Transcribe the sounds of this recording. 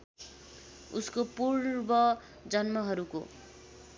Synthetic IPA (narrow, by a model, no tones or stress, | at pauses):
uskopurbʌ | d͡zʌnmʌɦʌɾuko̰